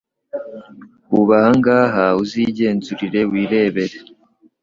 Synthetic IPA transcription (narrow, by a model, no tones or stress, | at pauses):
uβahaŋɡaːɦauziːɟe̞ːnzuɾiɾe̞wiːɾe̞ːβe̞ɾe